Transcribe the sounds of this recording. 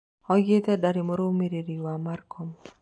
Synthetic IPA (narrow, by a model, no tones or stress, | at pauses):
ɔjet̪ɛdaɾimoɾomeɾiɾiwamarkʰɔm